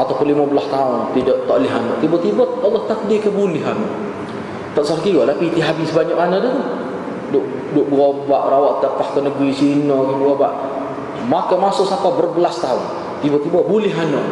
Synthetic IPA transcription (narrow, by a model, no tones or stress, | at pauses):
at̪awpʊnlimabəlast̪aʊnt̪idɔʔt̪ɔʔlɪɦanɔʔt̪ibət̪ibɔɔlːɔht̪ak̚dikəbulɪɦanɔ̰ʔ | t̪aʔsarkiwɔʔlapit̪iɦabɪsbaɲaʔ̚anadət̪u | dʊʔ | dʊʔbuobaʔrawaʔt̪ərpast̪ənəɡɾisinɔkibuoba̰ʔ | makamasʊʔsapabərbəlast̪aʊn | t̪ibɔt̪ibəbulɪɦanɔʔ